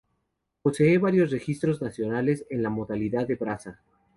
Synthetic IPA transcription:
po̞se̞eβaɾjo̞s̬re̞xist̪ɾo̞znasjo̞nale̞se̞nlamoðaliðaðeβɾasa

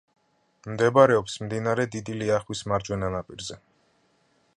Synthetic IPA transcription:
md̪ɛbaɾɛɔpsmd̪inaɾɛd̪id̪iliaχwismaɾd͡ʒwɛnanapʼiɾzɛ

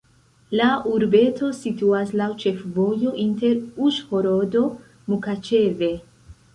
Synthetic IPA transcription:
lauɾbe̞tʰo̞situaslawt͡ʃe̞fvo̞jo̞ʔinte̞ɾuʃho̞ɾo̞do̞ | mukat͡ʃe̞ve̞

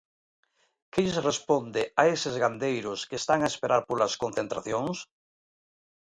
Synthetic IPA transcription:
keʎsrespond̪eaesezɣand̪ejɾoskeːst̪aŋaespeɾʔaɾpolaskõn̟θent̪ɾa̰θjoŋs

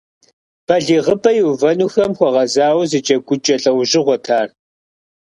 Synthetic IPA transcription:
b̥ɐɮiːʁəbɐjɪwvɐnuːxɐmxʷɔʁɐzaːwzɨt͡ʃʼɐɡʷʼʊt͡ʃʼɐɬʼɐwʒʑɪʁʷɔtʰaːr

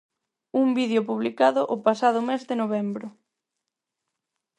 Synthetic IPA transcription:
umbiðjopuβ̞likaðʊʔopasað̞ʊmezðɪnoβ̞ɛmbɾʊ

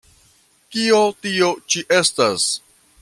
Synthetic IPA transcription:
kiotiot͡ʃiʔe̞stas

